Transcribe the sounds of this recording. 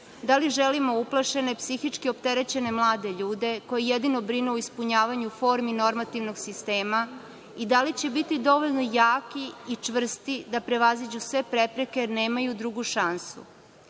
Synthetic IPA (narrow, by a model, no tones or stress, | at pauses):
d̪aliʒelimouplˠaʃe̞ne̞psixit͡ʃkiopt̪eɾe̞t͡ɕe̞ne̞mlˠaːd̪e̞ʎuːd̪e̞ko̞jejed̪ino̞bɾinuoispuɲaːʋaɲufo̞ːɾmino̞ɾmat̪iʋnoɡsist̪e̞ːma | id̪alit͡ɕe̞bit̪id̪o̞ʋo̞ʎno̞jaːkiit͡ʃʋr̩st̪id̪apɾe̞ʋazid͡ʑusʋe̞pɾepɾekejeɾne̞ːmajud̪ɾuɡuʃansṵ